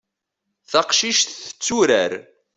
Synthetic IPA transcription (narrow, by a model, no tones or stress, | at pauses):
θaqʃiʃθθə̥t͡sːuɾæɾ